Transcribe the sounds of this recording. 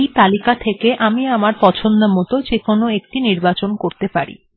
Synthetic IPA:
jt̪alikat̪ʰekeʔamiamaɾpɔt͡ɕʰond̪omɔt̪od͡ʑekonoek̚ʈiniɾbat͡ɕonkoɾt̪epaɾḭ

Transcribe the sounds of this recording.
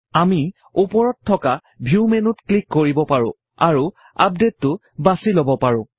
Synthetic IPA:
ami | upɔɹɔtʰːɔka | bʱumenʊtklikːoɹibɔpaɹʊ̰̃ | a̰ɹu | a̰p̚detːʊ | basilobɔpaɹʊ̃

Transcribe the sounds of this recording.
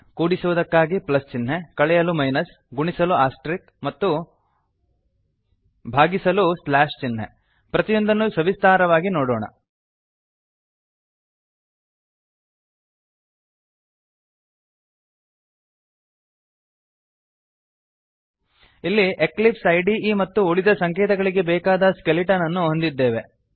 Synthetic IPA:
kuːɽisuʋud̪ɐkːaːɡiplɐst͡ʃinɦekɐɭɛjɐlumɐjnɐs | ɡuɳisɐluaːsʈɾik | mɐt̪ːu | bʱaːɡisɐluslaːʂt͡ʃinɦḛ | pɾɐt̪ijond̪ɐnːusɐʋist̪ʰaːɾɐʋaːɡinoːɽoːɳɐ̰ | ilːiʔeklipsɐjɖiimɐt̪ːuoɭid̪ɐsɐŋkɛːt̪ɐɡɐɭiɡe̞bɛːkaːd̪ɐskeliʈɐnɐnːuɦond̪id̪ːeːʋe̞

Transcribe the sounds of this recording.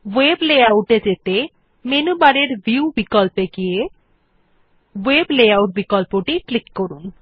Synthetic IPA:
weblejawʈed͡ʑet̪e | menubaɾeɾbiubikɔlpeɡije | webleawʈ̚bikɔlpoʈiklikːoɾun

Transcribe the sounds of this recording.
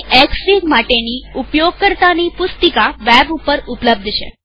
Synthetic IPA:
ʔeksʋiɡmaʈeniupjoɡ̚kəɾt̪anipʊst̪əkaʋɛbupəɾupləb̚d̪ʱʃḛ

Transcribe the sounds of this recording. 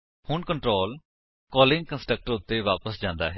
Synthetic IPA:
hʊɳkəɳʈɾoːl | kɔːlɪ̃ŋɡ̚kə̃nsʈək̚ʈəɾʊt̪ːeːʋaːpəsd͡ʒãːnd̪a̰ːɦɛ

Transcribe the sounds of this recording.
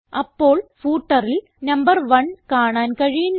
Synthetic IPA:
ɐpːo̞ːɭfuːʈːɐril | nɐmbɐrʋɐɳkaːɳaːnkɐɻijunː

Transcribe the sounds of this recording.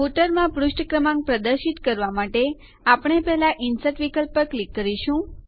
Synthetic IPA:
ɦuʈəɾmãpɾuʃʈəkɾəmãŋɡ̚pɾəd̪əɾʃit̪kəɾʋamaʈe | apɳ̃epɛɦlaʔinsəʈʋikəlpəklikːəɾiʃũ

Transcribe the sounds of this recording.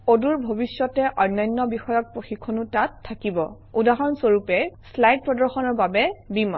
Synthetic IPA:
oduɹbʱobisjɔtɛʔɔjnːɔjnːɔbixɔjɔk̚pɹoxikʰːonutatʰːakibɔ | udaɦɔnsoɹupɛslajd̚pɹɔdɔɹxɔnɔɹbabɛbimɔ̰

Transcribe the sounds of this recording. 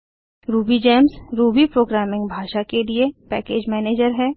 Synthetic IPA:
ɾuːbid͡ʒɛːmsɾuːbipɾoːɡɾɛːmɪ̃ŋɡbʱaːʃakeliepɛːkeːd͡ʒmɛːneːd͡ʒəɾɦɛː

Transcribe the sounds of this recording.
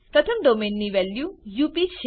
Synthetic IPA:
pɾɐt̪ʰəmɖoːmeːnːiʋɛːljuːjupiʃe

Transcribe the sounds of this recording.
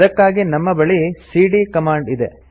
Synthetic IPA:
ɐkːaːɡinɐmːɐbɐɭisiːɖikɐmaːɳɖid̪e

